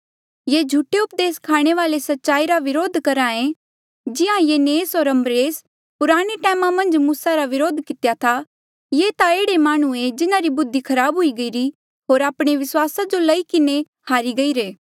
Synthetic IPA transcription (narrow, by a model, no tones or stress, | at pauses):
jed͡ʒʱuːʈeʊp̚d̪eːskʰaːɽ̃eʋaːlesɐtːʃaːiɾaʋɪɾoːd̪ʱkɐɾãːẽ | d͡ʒɪãjeneːsɦoːɾɐ̃mbɾeːs | pʊɾaːɽ̃eʈɛːmãmɐ̃nd͡ʒmuːsaɾaʋɪɾoːd̪ʱkɪt̪jat̪ʰa | jeːt̪aeːɽemaːɽ̃ued͡ʒɪnãɾibʊd̪ʱːikʰɐɾaːbɦʊiɡɐiːɾi | ɦoːɾaːpɽ̃eʋɪswaːsad͡ʒolɐikɪne | kʰaːɾiɡɐiːɾeː